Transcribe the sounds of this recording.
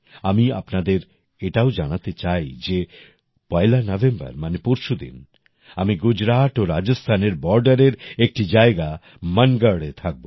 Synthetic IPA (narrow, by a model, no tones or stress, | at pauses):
amia̰pnad̪eɾ | eʈaod͡ʑanat̪et͡ɕajd͡ʑe | pɔelanɔvʱembɐ̰ɾmanepuɾʃud̪ḭn | amiɡud͡ʑɾat̪oɾad͡ʑost̪ʰaneɾbɔɾɖaɾeɾek̚ʈid͡ʑaeɡa | məŋɡəɽet̪ʰak̚bo